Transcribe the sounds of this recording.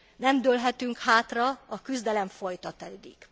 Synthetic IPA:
nɛmd̪ølɦɛt̪yŋkhaːt̪rɒɒkyzd̪ɛlɛɱfo̞jt̪ɒt̪ɛd̪ḭk

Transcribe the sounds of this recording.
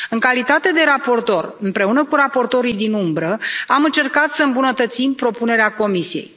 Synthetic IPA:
ɨŋkalit̪at̪e̞d̪e̞ɾapo̞rt̪o̞rɨmpɾe̞unəkuɾapo̞rt̪o̞ɾijd̪inumbɾəamɨnt͡ʃe̞rkat̪səɨmbunət̪ət̪simpɾo̞pune̞ɾeako̞misijḛj

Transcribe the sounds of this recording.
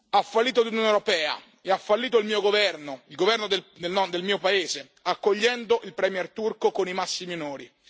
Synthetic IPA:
afːalːiːt̪̬olunjonewɾopɛːa̰ | eafːalːiːt̪̬oilmiːoɡovɛrnoilɡovɛrnod̪eld̪elnɔd̪elmiːopaeːze | akːoʎːɛnd̪oʔilpɾɛmjɛrt̪urkokonimasːiminoːɾi

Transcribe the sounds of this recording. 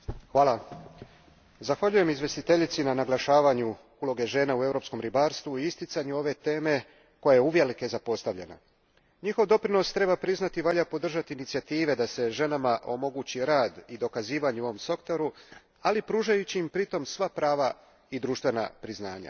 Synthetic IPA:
xʋaːla | zaxʋaʎuje̞mizʋje̞st̪it̪e̞ʎit̪sinanaɡlaʃaːʋaɲu | ulo̞ɡe̞ʒe̞ːnaue̞vɾo̞psko̞mɾibaːɾst̪ʋuiist̪it̪saɲuo̞ʋe̞t̪e̞ːme̞ | ko̞jajeuʋje̞like̞zapo̞st̪aʋʎḛna̰ | ɲixo̞ʋd̪o̞pɾino̞st̪ɾe̞bapɾiznat̪iʋaʎapo̞d̪r̩ʒat̪iːnit̪sijat̪iːʋe̞d̪ase̞ʒe̞namaʔo̞mo̞ɡut͡ɕiɾaːd̪id̪o̞kaziːʋaɲuo̞ʋo̞mso̞kt̪oɾu | alipɾuːʒajut͡ɕiːmpɾit̪o̞msʋapɾaːʋa | id̪ɾuːʃt̪ʋe̞na̰pɾizna̰ːɲa̰

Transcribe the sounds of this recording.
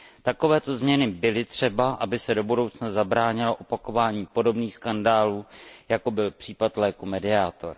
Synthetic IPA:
t̪ako̞vɛːt̪o̞zmɲɛnɪbɪlɪt̪r̝̥ɛbaʔabɪsɛdo̞budo̞wt͡snazabɾaːɲɪloʔopako̞vaːɲiːpo̞do̞bniːxskandaːluːjako̞bɪlpr̝̥iːpat̪lɛːkumɛdɪaːt̪o̞̰ɾ

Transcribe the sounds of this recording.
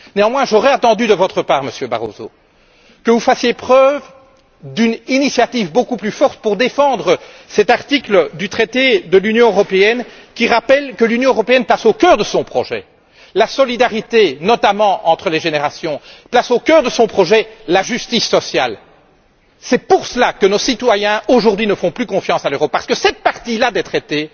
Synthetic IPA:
neɑ̃mwɛ̃ʒɔʁɛat̪ɑ̃d̪yd̪əvɔt̪χəpaːʁməsjøba̰ʁo̰zo̰ | kəvufasjepχœv | d̪yninisjat̪ivbokuplyfɔʁt̪̚puʁd̪efɑ̃d̪ʁə | sɛt̪aʁt̪ikləd̪yt̪χɛt̪ed̪əlynjɔ̃øʁɔpeɛn | kʲiʁapɛlkəlynjɔ̃øʁɔpeɛnplasokʲœʁd̪əsɔ̃pχɔʒɛ̰ | lasɔlid̪aʁit̪enɔt̪amɑ̃ʔɑ̃t̪χəleʒeneʁasjɔ̃plasokœːʁd̪əsɔ̃pχɔʒɛlaʒyst̪isːɔsja̰l | sɛpuʁsəlakənosit̪wajɛ̃oʒuʁd̪ɥinəfɔ̃plykɔ̃fjɑ̃saløʁɔp̚ːaʁsə̥kəsɛt̪̚paʁt̪ilad̪ɛt̪χet̪e

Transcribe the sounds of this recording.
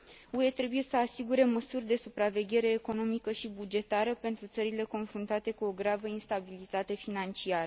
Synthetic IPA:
ue̞t̪ɾe̞buje̞səasiɡuɾe̞məsurʲd̪e̞supɾave̞ɡʲe̞ɾe̞ːko̞no̞mikəʃibud͡ʒe̞t̪aɾəpe̞nt̪ɾut̪səɾile̞ko̞nfɾunt̪at̪e̞kuo̞ɡɾavəinst̪abilit̪at̪e̞finant͡ʃiaɾə

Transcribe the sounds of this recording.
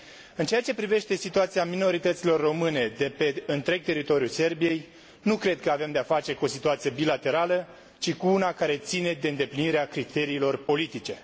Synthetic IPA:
ɨnt͡ʃe̞jat͡ʃe̞pɾive̞ʃt̪e̞sit̪uat̪siamino̞ɾit̪ət̪silo̞rːo̞mɨne̞d̪e̞pe̞ɨnt̪ɾe̞ɡ̚t̪e̞ɾit̪o̞ɾijuse̞rbije̞j | nukɾe̞d̪̚kəave̞md̪eafat͡ʃe̞kuo̞sit̪uat̪sije̞bilat̪e̞ɾalə | t͡ʃikuunakaɾe̞t̪sine̞d̪e̞ɨnd̪e̞pliniɾeakɾit̪e̞ɾiːlo̞rpo̞lit̪it͡ʃe̞

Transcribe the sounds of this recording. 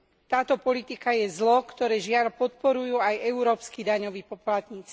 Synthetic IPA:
t̪aːt̪ɔpɔlit̪ikajɛzlɔkt̪ɔɾɛːʒɪalpɔt̪̚pɔɾujuːajɛʊɾɔːpskid̪aɲɔʋiːpɔplat̪ɲiːt͡si̥

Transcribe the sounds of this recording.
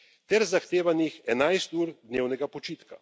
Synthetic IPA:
t̪ɛɾzaxt̪eːʋanixɛnajst̪uːɾd̪neːwnɛɡapɔt͡ʃiːt̪ka

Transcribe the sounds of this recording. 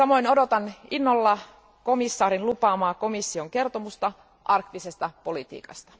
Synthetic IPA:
sɑmo̞inodot̪ɑninːolːɑ | komisːɑːɾinlupɑːmɑːkomisːioŋke̞rt̪omust̪ɑ | ʔɑrkt̪isest̪ɑpolit̪ḭːkɑ̰st̪ɑ̥

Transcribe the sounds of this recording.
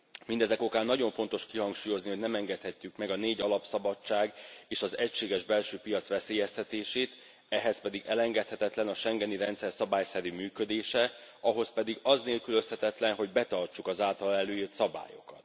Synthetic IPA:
mind̪ɛzɛko̞kaːnːɒɟo̞ɱfo̞n̪t̪o̞ʃkiɦɒŋkʃuːjo̞zniho̞ɟnɛmɛŋɡɛt̪hɛcːykmɛɡɒneːɟɒlɒpsɒbɒt͡ʃːaːɡeːʃɒzɛcʃeːɡɛʒbɛlʃøːpijɒt̪sʋɛseːjɛst̪ɛt̪eːʃeːt̪ | ɛɦɛspɛd̪iɡɛlɛŋɡɛt̪hɛt̪ɛt̪lɛnɒʃɛŋɡɛniɾɛnt̪sɛrsɒbaːjsɛɾyːmyːkø̞d̪eːʃɛɒɦo̞spɛd̪iɡɒzneːlkyløshɛt̪ɛt̪lɛnɦo̞ɟbɛt̪ɒrt͡ʃukɒzaːlt̪ɒlɛløːit̪sɒba̰ːjo̞̰kɒt̪

